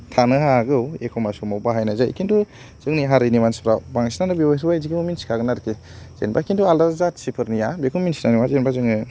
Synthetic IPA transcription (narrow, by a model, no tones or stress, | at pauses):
tʰanɯɦaɡɯwekʰɔmasumawbaɦajnajza̰jkʰindu | z̥ɯŋniɦaɾinimanspɾabaŋsinanɯbiwajsuwajziɡimuminsi̥kʰaɡɯnaɾkʰe | z̥ḛnba̰kʰindualdaɾzatsipʰɯɾnijabekʰuminsinaniwazenbazɯŋɯ